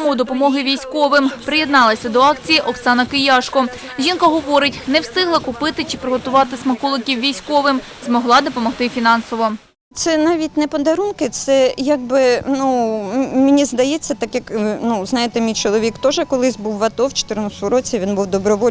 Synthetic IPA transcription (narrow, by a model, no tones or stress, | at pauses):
mʊwd̪ɔpɔmɔɦɪʋʲijsʲkɔʋɪmpɾɪjɛd̪nɑlˠɐsʲɐd̪ɔɑkt͡sʲijiʔɔksɑnɐkɪjɑʃkɔ | ʒʲinkɐɦɔʋɔɾɪtʲnɛwst̪ɪɦlˠɐkʊpɪt̪ɪt͡ʃɪpɾɪɦɔt̪ʊʋɑt̪ɪsmɐkɔlˠɪkʲiwʋʲijsʲkɔʋɪm | zmɔɦlˠɑd̪ɔpɔmɔxt̪ɪfʲinɑnsɔʋɔ | t̪sɛnɑʋʲitʲnɛpɔd̪ɐɾunkɪt̪sɛjaɡ̚bɪnumʲɪnʲizd̪ɐjɛt͡sʲːɐt̪ɑkjɐknuznɑjet̪ɛmʲijt͡ʃɔlˠɔʋʲikt̪ɔʒɛkɔlˠɪsʲbuwʋɐt̪ɔwt͡ʃɪ̥t̪ɪɾnɔst̪ʊɾɔt͡sʲiʋʲinbuwd̪ɔbɾɔʋɔ